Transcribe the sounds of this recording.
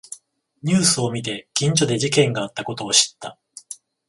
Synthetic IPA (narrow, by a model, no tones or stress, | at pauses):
ɲ̟ɨːsɨo̞mʲit̪e̞kʲĩɲ̟d͡ʑo̞d̪e̞ʑikẽ̞ŋɡaːt̪ːako̞t̪o̞ːɕi̥t̪ːa